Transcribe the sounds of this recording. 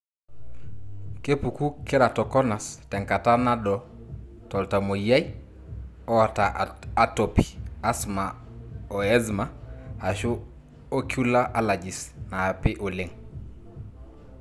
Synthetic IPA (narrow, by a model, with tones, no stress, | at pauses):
ke˦pu˨ku˦kɪ˦ɾa˨tɔ˨kɔ˦na˨stɛ˨ŋka˨ta˦na˦dɔ˨ | tɔ˨lta˨mo˨ja˦j | ɔ˦a˨ta˨a˨to˨pi̥˨a˦sma˨ | ɔ˨ɛ˦zma˨a˨ʃʊ˦ | o˦ku˦la˦ʔa˦la˨d͡ʒɪ˨snaː˨pɪ˦ʔo˨lɪ˦ŋ